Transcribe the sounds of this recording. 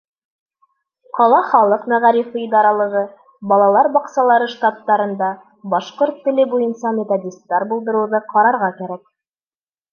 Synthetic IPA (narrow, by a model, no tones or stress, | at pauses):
qɑlˠɑχɑlˠɤqmæʁæɾifɘid̪ɑɾɑlˠɤ̆ʁɤ | bɑlˠɑlˠɑɾbɑqsɑlˠɑɾɤʃt̪at̪ːɑɾɤ̆nd̪ɑ | bɑʃqoɾt̪ːɘ̆lɘbujɤnsɑmʲet̪odʲist̪ːɑɾbulˠd̪ɤ̆ɾuwðɤqʰɑɾɑɾʁɑkæɾæk̚